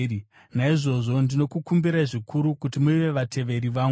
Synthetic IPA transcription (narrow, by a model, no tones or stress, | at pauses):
naiʐo̞ʐo̞ndino̞kukumbiɾaʐikʰuɾukutimuiʋe̞ʋatʰe̞ʋe̞ɾiʋaːŋ